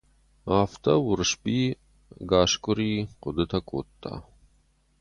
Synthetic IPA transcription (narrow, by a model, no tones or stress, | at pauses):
aːft̪ɐwuɾʂbiː | ɡaːʃkuɾiːqʊd̪ət̪ʰɐko̰ːt̪ːa̰